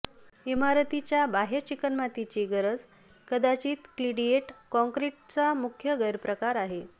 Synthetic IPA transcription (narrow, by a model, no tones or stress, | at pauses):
imaɾət̪it͡ɕjabaɦet͡ɕikənmat̪it͡ɕiɡəɾəd͡z | kəd̪at͡ɕiːt̪kliɖieʈkɔ̃ŋkɾiʈ̚t͡samukʰjəɡəɾpɾəkaɾaɦe